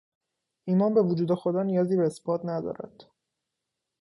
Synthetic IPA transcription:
ʔiːmɒːnbe̞vud͡ʒuːd̪e̞xo̞d̪ɒːnijɒːziːbeːsbɒːt̪næd̪ɒ̰ːɾʔæ̰d̪̥

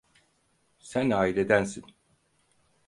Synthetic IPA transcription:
sænaːiled̪ænsin

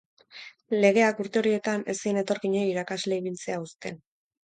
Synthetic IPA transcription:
le̞ɣ̞e̞akuɾt̪e̞o̞ɾie̞t̪ane̞sine̞t̪o̞ɾkiɲeiɾakazle̞iβ̞ilt͡se̞aust̪e̞n

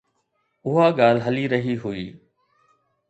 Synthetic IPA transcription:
ʊɦaːɠaːlɦəliːɾəɦiɦʊiː

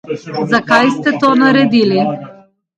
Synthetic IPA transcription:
zakajst̪ɛt̪ɔanaɾɛd̪ili

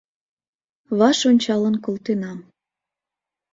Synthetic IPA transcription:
βɑʃonʲt͡ɕɑlənkolˠt̪enɑm

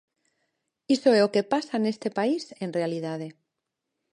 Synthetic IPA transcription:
isoeokepasaene̞st̪e̞paise̞nrealiðaðe̞

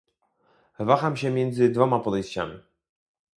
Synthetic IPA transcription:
vaxamɕɛmʲjɛnd̪zɘd̪vɔmapɔd̪ɛjɕt͡ɕa̰mʲi

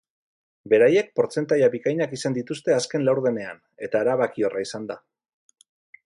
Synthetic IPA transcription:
be̞ɾaje̞k̚po̞ɾt͡se̞nt̪ajaβikajɲakisand̪it̪ust̪e̞aske̞nlawɾðe̞ne̞a̰n | e̞t̪aːɾaβakio̞raisand̪a

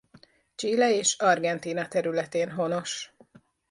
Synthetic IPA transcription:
t͡ʃiːlɛeːʃɒrɡɛnt̪iːnɒt̪ɛɾylɛt̪eːnɦo̞no̞ʃ

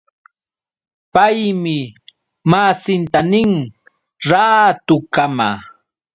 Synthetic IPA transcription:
pajmɪ | masɪnt̪anɪŋ | ɾaːt̪ʊkama̰

